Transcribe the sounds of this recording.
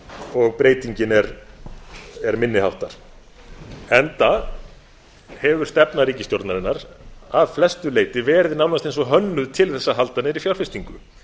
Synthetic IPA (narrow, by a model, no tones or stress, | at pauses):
ɔɣpɾeːjt̪iɲcɪnɛɾ | ɛɾmɪnːɪhawht̪aɾ̥ | ɛnt̪a | hɛvʏɾ̥st̪ɛpnaɾiːcɪst̪jowɾt̪naɾɪnːaɾaðflɛst̪ʏleːjt̪ɪvɛːɾɪðɪnawnast̪ejnsvɔɦœnːʏðt̪ʰɪlθɛsːaɦalt̪anɪɾifjawɾ̥fɪst̪iŋkʏ